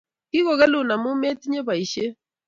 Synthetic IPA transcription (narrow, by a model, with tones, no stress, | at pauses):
ki˦ɣo˨ɣɛ˦lʊ˨na˨mʊ˦mɛ˦ti˦ɲe˦βa˨i˨ʃe˦